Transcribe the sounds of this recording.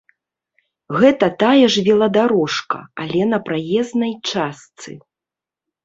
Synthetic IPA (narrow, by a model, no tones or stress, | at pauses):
ɣɛt̪ɐt̪ajɐʐvʲɛlˠɐd̪aɾɔʂkɐ̰alʲɛnɐpɾajɛznɐjt͡ʂast̪sɨ̰